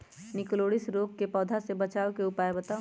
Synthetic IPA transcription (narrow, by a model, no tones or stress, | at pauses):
nɪkloːɽɪsɾoːkkepɔːd̪ʱasebɐt͡ʃaːokeʊpaːebɐt̪aː